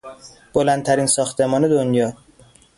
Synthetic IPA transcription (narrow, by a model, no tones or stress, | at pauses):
b̥olænt̪ʰæɾiːnsɒːxt̪ʰe̞mɒːne̞d̪onjɒː